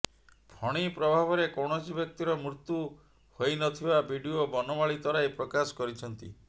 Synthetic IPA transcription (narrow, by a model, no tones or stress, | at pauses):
pʰɔɽ̃ipɾɔbʱabɔɾekowɽ̃ɔt͡ʃʰibjɔk̚t̪iɾɔmɾut̪u | hojnɔt̪ʰibabʱiɖiobɔnɔmaɭit̪ɔɾajpɾɔkasɔ̥kɔɾit͡ʃʰɔnt̪ḭ